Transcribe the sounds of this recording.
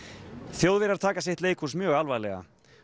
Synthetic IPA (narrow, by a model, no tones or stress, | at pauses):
θjowðvɪɾaɾ̥t̪ʰaːkasjɛht̪leːjkʰusmjœːɣalvajlɛ̰ɣa̰